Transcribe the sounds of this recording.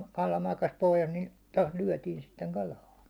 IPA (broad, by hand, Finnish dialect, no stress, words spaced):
kɑlɑ mɑkɑs pohjɑs ni tost lyæ̹tiːn sitːeŋ kɑlʲɑː